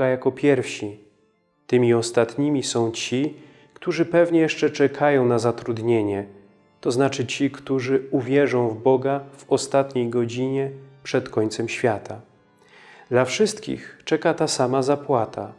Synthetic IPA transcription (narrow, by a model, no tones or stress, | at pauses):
ajakɔpʲjɛɾfɕi | t̪ɘmʲiɔst̪at̪ɲimʲisɔ̃w̃t͡ɕi | kt̪uʐɘpɛvɲɛjɛʂt͡ʂɛt͡ʂɛkʰajɔ̃w̃nazat̪ɾud̪ɲeɲɛ | t̪ɔznat͡ʂɘt͡ɕikt̪uʐɘuvʲjɛʐɔ̃w̃vbɔɡav̥ɔst̪at̪ɲejɡɔd͡ʑiɲɛpʂɛt̪kɔɲt̪sɛmɕfʲjat̪a | d̪lafʂɘst̪kʲḭxt͡ʂɛkat̪asamazapwat̪a̰